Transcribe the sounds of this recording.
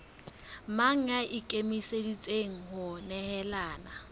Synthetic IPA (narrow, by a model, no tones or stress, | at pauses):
maŋ̩aʔɪkʼemisedit͡sʼeŋ̩ɦʊnɛhɛlaːna